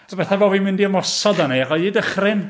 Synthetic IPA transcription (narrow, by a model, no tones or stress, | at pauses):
sʰbɛθavɔːvimɪndiəmɔsɔdaneaχɔiːdəχrɪn